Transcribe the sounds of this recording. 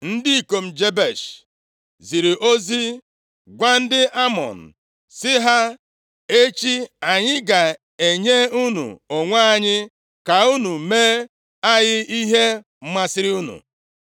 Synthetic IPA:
n̩˦di˦i˨ko˨m̩˨d͡ʒe˦be˨ʃ | zi˨ɾi˨ʔo˦zi˦ | ɡʷa˦n̩˦dɪ˦ʔa˦mɔ̰˨n̩˨ | sɪ˦ɦa˦ | e˦t͡ʃi˦a˨ɲɪ˦ɡa˨ | e˨ɲe˦u˦nṵ˨o˨ŋʷa˦a˦˨ɲɪ˦ | ka˨u˦nu˨meː˦ | a˦jɪ˦i˦ɦe˦ | m̩˦ma˦sɪ˦ɾɪ˦u˦nṵ˨

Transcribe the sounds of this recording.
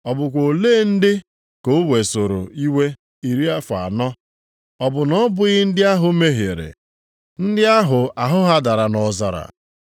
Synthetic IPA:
ɔ˨bʊ˨kʷo˨leː˦n̩˦dɪ˦ | ko˨˦we˨so˨ɾo̰˨i˦we˦ | i˨ɾi˦a˦fa̰˨nɔ˦ | ɔ˨bʊ˨nɔ˦bʊ˨ɣɪ˦n̩˦dɪ˦a˦ɦʊ˦me˦ɦe˨ɾḛ˨ | n̩˦dɪ˦a˦ɦʊ˨a˨ɦʊ˦ɦa˦da˨ɾa˨nɔ˨za˨ɾa̰˨

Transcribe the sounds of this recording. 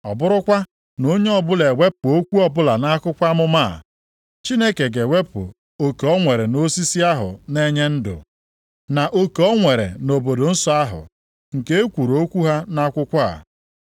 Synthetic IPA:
ɔ˨bʊ˦ɾʊ˦kʷa˦ | no˦ɲe˦ɔ˦bʊ˦le˨we˦p̚ʊ˨o˦kʷu˦ɔ˦bʊ˦la˨na˦kʊ˦kʷa˦mʊ˦ma˦˨ | t͡ʃi˦ne˦ke˨ɡe˨we˦pʊ̰˨ | o˨ke˨ɔ˦ŋʷe˨ɾe˨no˦si˦si˦a˦ɦʊ̰˨ne˦ɲe˦n̩˦dʊ̰˨ | na˨ʔo˦ke˨ɔ˦ŋʷe˨ɾḛ˨no˨bo˨do˨n̩˦sɔ˦a˦ɦʊ̰˨ | ŋ̩˨ke˦e˦kʷu˨ɾo˨˦kʷu˦ɦa˦na˦kʷʊ˦kʷa̰˦˨

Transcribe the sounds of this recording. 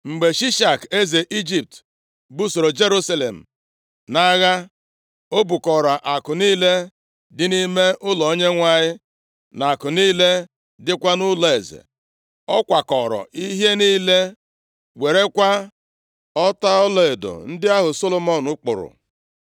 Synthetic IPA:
ŋ͡m̩˨ɡ͡be˨ʃi˦ʃa˨ke˦ze˨ʔi˦d͡ʒi˨p̚t | bu˦so˨ɾo˨d͡ʒe˦ɾu˦sa˦lḛ˨m̩˨ | na˦ɣa˦ | o˦bu˨kɔ˨ɾa˨ʔa˨kʊ˨niː˦le˦ | dɪ˦ni˦me˦ʔʊ˦lɔ˨o˦ɲe˦ŋʷa˦˨ɲɪ˦ | na˨kʊ˨niː˦le˦ | dɪ˦kʷa˦nʊ˦lɔ˨e˨zḛ˨ | ɔ˦kʷa˨kɔ˨ɾɔ̰˨ʔi˦ɦje˦niː˦le˦ | we˨ɾe˦kʷa˦ | ɔ˦ta˦ɔ˦lɔ˨e˨do̰˨n̩˦dɪ˦a˦ɦʊ˨so˦lo˨mɔ˦˨nʊ˦k͡pʊ̰˨ɾʊ̰˨

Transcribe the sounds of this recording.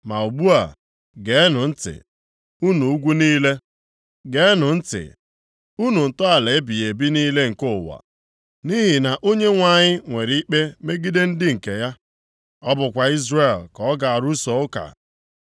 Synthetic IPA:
ma˨u˨bu˦a˨ | ɡe˨˦nʊ˨n̩˦tɪ̰˨ | u˦nu˨u˦ɡʷu˦niː˦le˦ | ɡe˦nʊ˨n̩˦tɪ̰˨ | u˦nu˨n̩˨tʊ˦a˨le˨e˦bi˨e˨bi˦niː˦le˦ŋ̩˨kʊ˦˨wa̰˨ | ni˦ɦi˨na˨ʔo˦ɲe˦ŋʷa˨ɲɪ˦ŋʷe˨ɾi˦k͡pe˦me˦ɡi˦de˦n̩˦dɪ˦ŋ̩˨ke˨ja˦ | ɔ˦bʊ˨kʷa˨i˦zre˨lkɔ˨˦ɡa˨a˨ɾu˦sɔ˨˦ʊ˦ka̰˨

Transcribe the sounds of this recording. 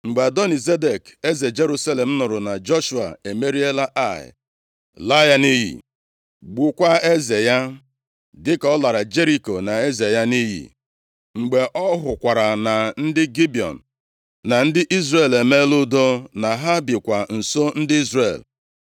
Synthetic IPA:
ŋ͡m̩˨ɡ͡ba˨dɔ˦ni˨ze˦de˨ke˦ze˨d͡ʒe˦ɾu˦sa˦le˨m̩˦nʊ˨ɾʊ˨na˨d͡ʒɔ˦ʃu˨a̰˨e˨me˦ɾi˦e˦la˦ʔa˦˨ɪ̰˨ | la˦ja˦ni˦ɦḭ˨ | ɡ͡bu˨kʷa˦e˦ze˨ja˦ | dɪ˦kɔ˦la˨ɾa˨d͡ʒe˦ɾi˦ko˨na˨e˦ze˨ja˦ni˦ɦḭ˨ | ŋ͡m̩˨ɡ͡be˨ʔɔ˦ɦʊ˨kʷa˨ɾa˨na˨n̩˦dɪ˦ɡi˦bi˨ɔ̰˨n̩˨ | na˨n̩˦dɪ˦ʔi˦zre˨le˨me˦lʊ˦do˦na˨ɦa˦bɪ˨kʷa˨n̩˨so˦n̩˦dɪ˦i˦zrḛ˨l

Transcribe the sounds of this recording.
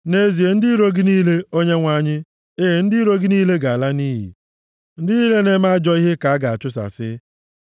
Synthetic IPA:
ne˨˦zi˨e˨n̩˦dɪ˦ɾo˦ɡɪ˦niː˦le˦o˦ɲe˦ŋʷa˦˨ɲɪ˦ | e˦ɦe˨n̩˦dɪ˦i˦ɾo˦ɡɪ˦niː˦le˦ɡa˨a˨la˦niː˦ɦḭ˨ | n̩˦dɪ˦niː˦le˦ne˦ma˦a˦d͡ʒɔ˦i˦ɦe˦ka˨a˦ɡa˨a˨t͡ʃʊ˦s̬a̰˨sɪ̰˦

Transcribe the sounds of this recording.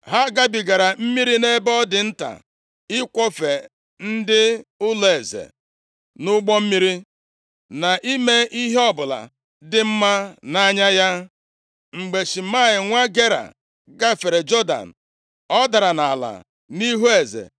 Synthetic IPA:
ɦa˦ɡa˦bi˨ɡa˨ɾa˨m̩˦mi˦ɾi˦ne˦bɔ˦dɪ˨n̩˦ta̰˨ | ɪ˦kʷɔ˦fe˨ | n̩˦dɪ˦ʊ˦le˨zḛ˨ | nʊ˦ɡ͡bɔ˦m̩˦mi˦ɾi˦ | na˨ʔi˦me˦i˦ɦe˦ɔ˦bʊ˨la̰˨ | dɪ˦m̩˦ma˦na˦ɲa˦ja˦ | ŋ͡m̩˨ɡ͡be˨ʃi˨ma˦˨ɪ˨ŋʷa˦ɡe˦ɾa̰˨ | ɡa˦˨fe˨ɾe˨d͡ʒɔ˦da̰˨n̩˨ | ɔ˦da˨ɾa˨na˨la̰˨ | ni˦ɦu˦e˨zḛ˨

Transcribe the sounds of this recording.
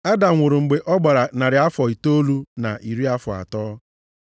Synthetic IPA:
a˦da˨ŋʷʊ˨ɾʊ˨ŋ͡m̩˨ɡ͡be˨ʔɔ˦ɡ͡ba˨ɾa˨na˨ɾɪ˨a˦fɔ˨i˨to˦lu˦na̰˨ʔi˨ɾi˦a˦fʊ˨a̰˨tɔː˦

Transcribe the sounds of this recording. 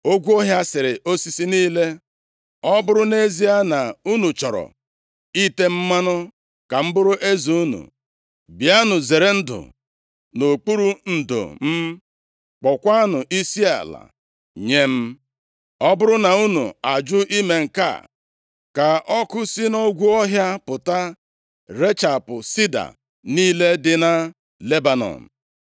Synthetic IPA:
o˦ɡʷu˦o˦ɦja˦sɪ˨ɾɪ˨ʔo˦si˦si˦niː˦le˦ | ɔ˦bʊ˦ɾʊ˦ne˦zi˦a˦na˨u˦nu˨t͡ʃɔ˨ɾɔ̰˨ | i˦te˦m̩˦ma˦nʊ˦ | ka˨m̩˦bʊ˦ɾʊ˦ʔe˦zu˨u˦nṵ˨ | bja˦nʊ˨ze˨ɾe˨n̩˦dʊ̰˨ | no˨k͡pu˦ɾu˦n̩˨do̰˨m̩˦ | k͡pɔ˨kʷa˦nʊ˨ʔi˦si˦a̰˨la̰˨ | ɲe˦m̩˦ | ɔ˦bʊ˦ɾʊ˦na˨u˦nṵ˨a˨d͡ʒʊ˦ʔi˦me˨ŋ̩˨ka̰˦˨ | ka˨ʔɔ˦kʊ˦si˦no˦ɡʷu˦ɔ˦ɦja˦pʊ˨ta˦ | ɾe˦t͡ʃa˨pʊ˨si˦da̰˨ | niː˦le˦dɪ˦na˦ | le˦ba˨nɔ̰˨m̩˨

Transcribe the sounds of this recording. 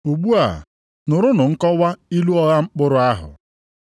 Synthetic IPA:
u˨ɡ͡bu˦a̰˨ | nʊ˨ɾʊ˦nʊ˨ŋ̩˦kɔ˦wa˦i˦lu˦ɔ˦ɣa˦ŋ͡m̩˦k͡pʊ˦ɾʊ˨a˦ɦʊ̰˨

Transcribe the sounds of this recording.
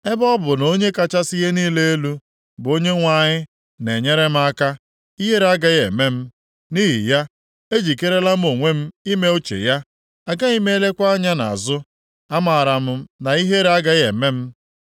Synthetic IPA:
e˦bɔ˦bʊ˨no˦ɲe˦ka˦t͡ʃa˦si˦ɦe˦niː˦le˦e˦lu˦ | bʊ˨o˦ɲe˦ŋʷa˨ɲɪ˦ | ne˨ɲe˦ɾe˦m̩˦a˦ka˦ | i˦ɦe˦ɾa˦ɡa˦ɣe˨me˦m̩˦ | ni˦ɦḭ˨ja˦ | e˦d͡ʒi˨ke˦ɾe˦la˦m̩˦o˨ŋʷe˦m̩˦i˦me˦o˦t͡ʃḛ˨ja˦ | a˨ɡa˦i˦me˦e˦le˦kʷa˦a˦ɲa˦na̰˨a̰˨zʊ˦ | a˦ma˨ɾa˨m̩˦na˨i˦ɦe˦ɾa˦ɡa˦jḛ˨me˦m̩˦

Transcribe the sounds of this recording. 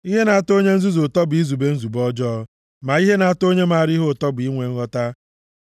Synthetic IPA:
i˦ɦe˦na˨a˨to˦ɲe˦n̩˦zu˦zo˨tɔ˦bi˦zu˨be˦n̩˦zu˨bɔ˦d͡ʒɔː˦ | ma˨i˦ɦe˦na˨a˨to˦ɲe˦ma˨ɾi˦ɦo˦˨tɔ˦bi˦ŋʷe˨ŋ̩˦ɣɔ˦ta˦

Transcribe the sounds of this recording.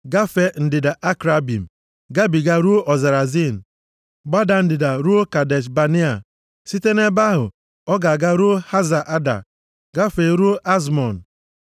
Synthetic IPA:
ɡa˦fe˨n̩˦dɪ˨da˨ʔa˦kɾa˦bi˨m̩˨ | ɡa˦bi˨ɡa˦ɾu˦ʔɔ˨za˨ɾa˨zi˦˨n̩˨ | ɡ͡ba˦da˨n̩˦dɪ˨da˨ɾu˦o˦ka˨de˨t͡ʃba˨ni˦a˨ | si˦te˦ne˦ba˦ɦʊ̰˨ | ɔ˦ɡa˨ɡa˦ɾu˦ha˦za˨ʔa˦da̰˨ | ɡa˦fe˨˦ɾu˦ʔa˦z̬mɔ˨n̩˨

